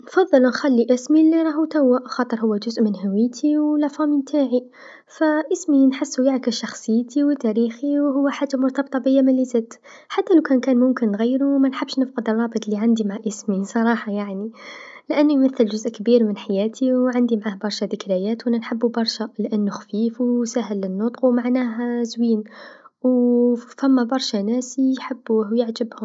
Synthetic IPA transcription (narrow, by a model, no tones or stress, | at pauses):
nfɑðˤːɨlnxalːiʔɪsmilːiɾˤɑɦut̪awːaʔxɑːt̪ˤɨɾhʊwːæd͡ʒʊzʔmɪnhawɪjːt̪ʰiwlaʕfɑmint̪ʰaːʕi | fæʔɪsminħɪsːujaʕkɪsʃɑxsˤəjːt̪iwt̪ːæɾiːxiwhʊwːaħat̪ːamʊɾt̪ɑbt̪ˤɑbəjːamɪlːizæd̪ | ħat̪ːælawkænkæːnmʊmkɪnːɣajːɾumænħabʃnəfqəd̪ərˤːɑːbɨt̪ˤliʕand̪imaʕaʔɪsmisˤɑɾˤɑːħɑjaʕnilʔænːujmæθːəlʒʊzʔkbiːɾmənħajæːt̪ʰiwʕand̪imʕaːhbɑɾˤʃæd̪ɪkɾæjæːt̪wʔænːænħəbːubɑɾˤʃælʔænːuxfiːfusæɦəlːənːʊt̪ˤqwmaʕnæːɦæzwiːnwfæmːæbɑɾˤʃænæsijħəbːuːhwjəʕd͡ʒəbhʊm